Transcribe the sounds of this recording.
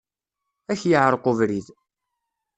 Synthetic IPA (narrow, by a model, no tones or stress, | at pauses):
æçjəʕɾˤqʊvɾið